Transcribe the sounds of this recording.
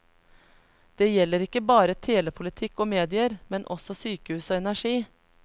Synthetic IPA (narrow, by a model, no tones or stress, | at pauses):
d̪̥eːjɛlːəɾɪkːəbɑːɾət̪ʰeːləpʰʊlɪt̪ʰɪkːoːmeːd̪ɪəɾmɛnʔɔsɔsyːkəhʉːsoːɛnæʂiː